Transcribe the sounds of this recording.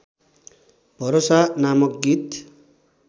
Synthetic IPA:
bʱʌɾosanamʌk̚ɡit̪

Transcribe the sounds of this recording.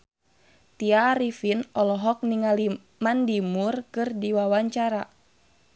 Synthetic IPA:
t̪iaɾifinɔlɔɦɔk̚niŋali | mandimurkɨrdiwawaɲt͡ʃaɾa

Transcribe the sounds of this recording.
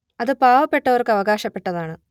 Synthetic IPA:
ɐðɨpaːʋɐpːe̞ʈːɐʋɐrkɨɐʋɐɡaːɕɐpːe̞ʈːɐðaːɳɨ

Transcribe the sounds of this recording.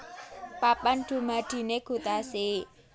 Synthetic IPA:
papanɖ̪̥ṳmad̪̥i̤neɡ̥ṳt̪ase

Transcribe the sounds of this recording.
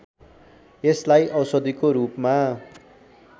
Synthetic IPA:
eslajʔʌwsʌd̪ikoɾupma

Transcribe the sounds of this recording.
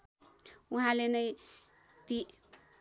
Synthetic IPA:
uɦãlenʌj | t̪i

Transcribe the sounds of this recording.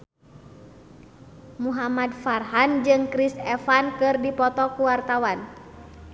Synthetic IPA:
muɦamadfarɦand͡ʒɨŋkɾisɛfankɨrdipɔt̪ɔkuwart̪awan

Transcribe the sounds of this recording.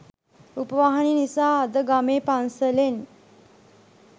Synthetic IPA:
upəʋaɦaninisaːd̪əɡameːpansəlen

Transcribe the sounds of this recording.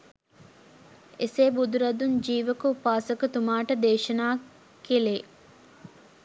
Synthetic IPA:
eseːbud̪uɾɐd̪uɲd͡ʒiːʋəkəupaːsəkət̪umaːʈəd̪eːʃɐnaː | kːileː

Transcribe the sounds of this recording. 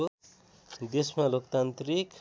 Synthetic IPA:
o | d̪esmalokt̪ant̪rik

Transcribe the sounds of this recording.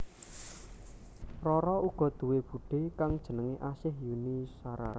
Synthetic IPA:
rɔɾɔuɡ̥ɔ̤d̪̥ṳweb̥ṳɖ̥e̤kaŋd̥ʒ̥ə̤nəŋeʔasɪhjunisaɾa̰ɾ

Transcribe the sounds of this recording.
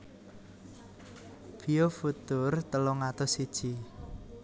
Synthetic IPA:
b̥iofut̪ʊrt̪əlɔŋat̪ɔsid̥ʒ̥i

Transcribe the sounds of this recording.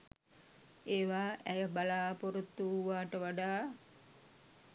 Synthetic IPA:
eːʋaːʔæjəbalaːpoɾut̪ːuːaːʈəʋaɖaː

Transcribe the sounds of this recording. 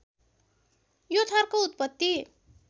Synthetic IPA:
jot̪ʰarkout̪̚pʌt̪ːi

